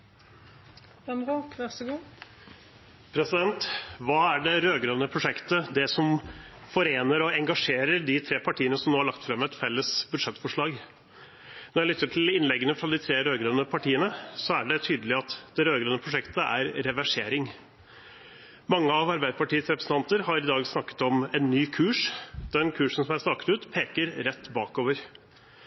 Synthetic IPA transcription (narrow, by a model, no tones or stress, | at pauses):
ɛnʁukʋæʁsəɡuː | pʰɾɛsɪd̪ɛnt̪ʋɑːæɖɛɾøːɡɾønəpʰɾʊʂɛkt̪əd̪ɛsɔmfɔɾeːnəɾɔɛŋɡɑʂeːɾəɾɖɪt̪ʰɾeːpʰɑʈʰiːənəsɔmnoːhɑɭɑk̚t̪fɾɑmɛt̪fɛlːəsbʉd̪ʂɛt̪ːfɔʂɭɑːɡ | nɔɾjælʏt̪ːɾəʈʰɪlɪnlɛɡːənəfɾɑd̪ɪt̪ʰɾeːɾøːɡɾønəpʰɑʈiːənəsɔæɖɛt̪ʰyːd̪əlɪɑt̪d̪̥ɛɾøːɡɾønəpʰɾʊʂɛkt̪əʔæ̰ɾɾɛʋæʂeːɾɪŋ | mɑŋːəɑʋɑɾbæɪd̪əpʰɑʈiːəsɾɛpɾəsən̩t̪ɑnt̪əɾhɑɾɪd̪ɑːɡsnɑkːə̥t̪ɔmɛnːyːkʰʉːʂd̪ɛnkʰʉːʂən̩sɔmæɾsnɑkə̥t̪ʉːt̪pʰeːkəɾɾɛt̪ːbɑːkoːʋəɾ